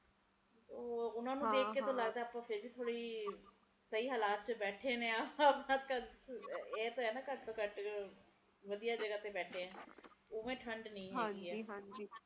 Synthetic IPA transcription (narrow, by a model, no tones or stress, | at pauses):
toːʊnãːnũd̪eːkkkːeːt̪õːləɡd̪aːəpãːpʰɪɾd͡ʒiːt̪ʰoːɽiː | səiːɦaːlaːt̪̚t͡ʃəbɛːʈʰeːnẽːapnãːt̪kə | eːt̪õːɛ̃ːnd̪aːkəʈ̚t̪ːkəʈ | ʋəd̪ijaːd͡ʒəɡaːt̪eːbɛːʈʰeːɛ̃ːoʋẽːʈʰəɳɖnəĩːɦːɡiːɛːɦd͡ʒː